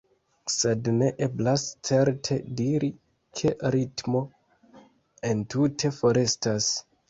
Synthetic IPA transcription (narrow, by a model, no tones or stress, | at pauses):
se̞dne̞ʔe̞blast͡se̞ɾtʰe̞diɾi | kʰe̞ɾitmo̞ | e̞ntutʰe̞fo̞ɾe̞stas